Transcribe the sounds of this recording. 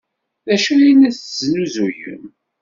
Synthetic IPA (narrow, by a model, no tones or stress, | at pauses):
ðæʃæjinæθznuzujə̰m